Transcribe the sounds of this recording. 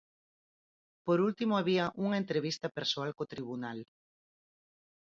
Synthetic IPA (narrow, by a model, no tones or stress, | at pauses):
poɾult̪imoaβiɐʔuŋɐent̪ɾeβist̪ɐpeɾsoalkot̪ɾiβunal